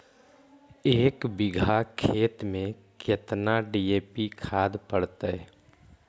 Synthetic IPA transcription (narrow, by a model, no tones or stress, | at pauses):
eːkbɪɡʱakʰeːt̪mẽket̪naɖieːpikʰaːd̪pəɽt̪ɛ